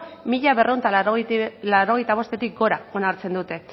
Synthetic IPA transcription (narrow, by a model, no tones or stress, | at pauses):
miʎaβe̞rʔeunt̪a | laɾo̞ɣe̞jt̪aβ̞o̞st̪e̞t̪ik̚ɡo̞ɾao̞naɾt͡se̞nd̪ut̪e̞